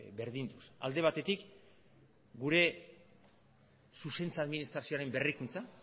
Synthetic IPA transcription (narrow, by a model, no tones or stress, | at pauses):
be̞ɾðind̪usa̰ld̪e̞β̞at̪e̞t̪ik | ɡuɾe̞ | suse̞nt͡saðminist̪ɾasio̞aɾe̞mbe̞rikunt͡sa